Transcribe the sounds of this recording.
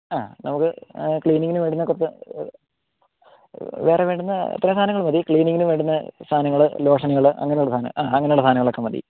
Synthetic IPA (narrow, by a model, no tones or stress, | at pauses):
aːnɐmukːɨkɭiːniŋɡinɨʋeːɳɖunːɐkurɐt͡ɕːɨ | ʋeːreʋeːɳɖunːɐɐ̰t̪ːɐɾɐmːst̪ʰaːnɐŋːɐɭmɐðikɭiːniŋɡinɨʋeːɳɖunːɐst̪ʰaːnɐŋːɐɭɨlo̞ːʂɐnɐɣɐɭʔɐ̰ŋːɐnejuɽɐst̪ʰaːnɐ̰aːɐŋːɐnejuɽɐst̪aːnɐŋɐɭokːemɐd̪ḭ